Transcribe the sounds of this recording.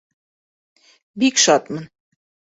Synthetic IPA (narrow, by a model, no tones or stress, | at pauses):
bikʃɑt̪mɤn